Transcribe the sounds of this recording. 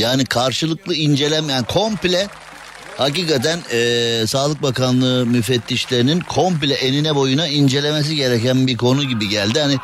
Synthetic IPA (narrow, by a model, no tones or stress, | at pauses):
jaːnikʰaɾʃɯlˠɯklˠɯind͡ʒe̞lʲɛmejænkʰo̞mplʲɛ | haciːkat̪ʰænɛːsaːlˠɯk̚bakanlˠɯmyfɛt̪ʰːiʃlʲe̞ɾininkʰo̞mplʲɛʔeninɛbo̞junaind͡ʒe̞lʲe̞me̞s̬iɟe̞ɾecænbiɾkʰo̞nuɟibiɟælʲd̪ihani